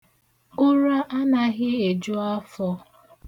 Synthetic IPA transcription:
ʊ˦ɾa˦ʔa˦na˨ɣɪ˦e˨d͡ʒʊ˦a˦fɔ˦

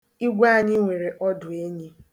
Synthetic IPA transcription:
i˦ɡʷa˦˨ɲi˦ŋʷe˨ɾe˨ʔɔ˦dʊ˨e˦ɲi˦

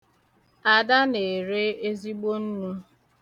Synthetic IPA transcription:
a˨da˦ne˨ɾe˦e˦zi˦ɡ͡bo˦n̩˦nu˦

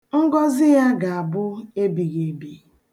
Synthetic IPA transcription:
ŋ̩˦ɡɔ˦zɪ˦ja˦ɡa˨a˨bʊ˦e˦bi˨ɣe˨bi˨

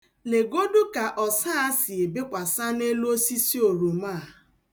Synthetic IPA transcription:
le˨ɡo˦do˦ka˨ʔɔ˨saː˦a˦si˨e˨be˦kʷa˨sa˦ne˦lo˦si˦si˦o˨ɾo˨maː˦˨

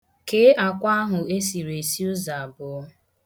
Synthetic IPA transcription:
ke˦a˨kʷa˦a˦ɦʊ˨e˦si˨ɾe˨si˦ʊ˦za˨bʊ˨˦

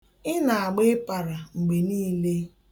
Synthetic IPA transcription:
ɪ˦na˨a˨ɡ͡be˦pa˨ɾa˨ŋ͡m̩˨ɡ͡be˨niː˦le˦

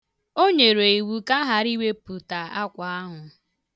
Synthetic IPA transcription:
o˦ɲe˨ɾe˨i˨wu˨ka˦ɦa˨ɾi˦we˦pu˨ta˨a˦kʷa˨a˦ɦʊ˨

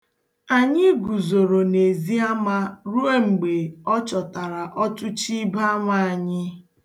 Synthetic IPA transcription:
a˨ɲɪ˦ɡu˨zo˨ɾo˨ne˨zi˦a˦ma˦ɾu˦e˦ŋ͡m̩˨ɡ͡be˨ɔ˦t͡ʃɔ˨ta˨ɾa˨ʔɔ˦tʊ˦t͡ʃi˦ba˦a˦ma˦˨a˨ɲɪ˦

